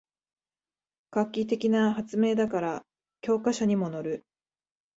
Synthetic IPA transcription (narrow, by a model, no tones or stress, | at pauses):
kakʲːit̪e̞kʲinaɦat͡sɨme̞ːd̪akaɾa | kʲo̞ːkaɕaɲ̟imo̞no̞ɾɯ̟